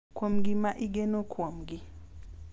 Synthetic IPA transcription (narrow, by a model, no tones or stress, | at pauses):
kwomɡimaʔiɡɛnokʰwɔmɡi